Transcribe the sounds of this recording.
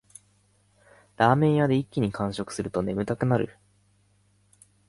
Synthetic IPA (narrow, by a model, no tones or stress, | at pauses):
d̪aːmẽ̞ɰ̃jad̪e̞ikʲːiɲ̟ikãɰ̃ɕo̞kɯ̟̥sɨɾɯ̟t̪o̞ne̞mɯ̟t̪akɯ̟naɾɯ̟̰